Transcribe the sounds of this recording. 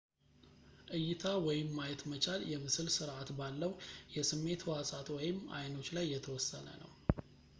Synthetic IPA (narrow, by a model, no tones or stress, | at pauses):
ʔɨjːɪt̪ʰawɔjɪmːajɛt̪mət͡ʃʰaljɛmɨsɨlsɨɾʔat̪balːəwjɛsɨmːe̞t̪wasʼat̪wɔjɪma̰jno̞t͡ʃːlajːɛt̪ʰəwɔsːənə̰nə̰w